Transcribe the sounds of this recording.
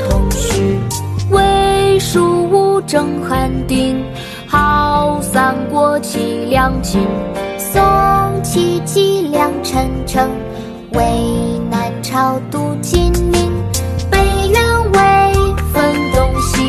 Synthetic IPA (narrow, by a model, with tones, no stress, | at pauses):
t̪ʰʊ˧˥ŋɕy˧˥˩we˥ʂu˥˩u˥ʈ͡ʂɤ˧˥ŋxa˧˥nt̪i˥n | xɑ˧ʊʊsa˧˥˩nkwɔ˥t͡ɕʰi˧˥ljɑ˧˥ŋt͡ɕʰi˧˥n | so˧˥ŋt͡ɕʰi˧˥˩t͡ɕi˥˩ljɑ˧˥ŋʈ͡ʂʰə˧˥nʈ͡ʂʰɤ˧˥ŋ | we˧˥ɪɪna˧˥nʈ͡ʂʰɑ˧˥ʊt̪u˧˩t͡ɕʰi˥nmi˧˥npe˨˧˩ɪɻə˧˥nwe˧˥ɪfə˧˥nt̪ʊ˥ŋɕi˧